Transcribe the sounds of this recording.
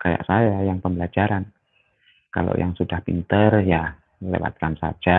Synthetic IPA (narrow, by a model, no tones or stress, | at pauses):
kaja̰ʔsajajaŋpəmbəlad͡ʒaɾan | kalo̰jaŋsudahpḭnt̪ərja | lḛwa̰t̪̚kansa̰d͡ʒa